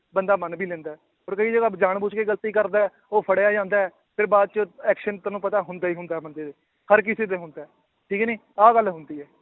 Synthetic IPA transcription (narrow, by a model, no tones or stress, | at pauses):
bənd̪aːmənbʱiːlɛ̃ːnd̪aːɦɛː | oːɾkəiːd͡ʒəɡaːd͡ʒaːɳbuːt͡ʃkeːɡəlt̪iːkəɾd̪aːɛː | oːpʰəɽjaːd͡ʒãːnd̪aːɛː | pʰɪɾbaːd̪̚t͡ʃəɛːkʃənt̪əːnũːpət̪aːɦʊnd̪aːiːɦʊ̃nd̪aɛːbənd̪eːd̪eː | həɾk̬ɪseːd̪eːɦʊ̃nd̪aːɛː | ʈʰiːkːniː | aːɡəlɦʊnd̪iːɛː